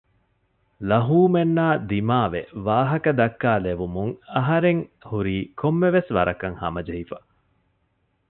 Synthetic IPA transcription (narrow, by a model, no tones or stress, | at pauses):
lɐɦuːmenːaːd̪imaːʋḛʋaːɦɐkɐd̪ɐkːaːleʋumuŋɐɦɐɾeŋhuɾiːkʰomːeʋesʋɐɾɐkɐŋhɐ̰mɐd͡ʒɐɦifɐ